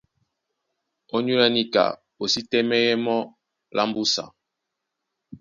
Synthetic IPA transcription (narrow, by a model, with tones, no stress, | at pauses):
o˦ɲu˦la˦ni˦ka̰˨ | o˨si˦tɛ˦mɛ˦jɛ˦mɔ˦ | lʔa˦m˦bu˦sa̰˨